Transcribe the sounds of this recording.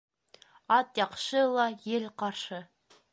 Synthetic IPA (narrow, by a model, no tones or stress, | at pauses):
ɑt̪jɑqʃəlˠɑjelqɑɾʃə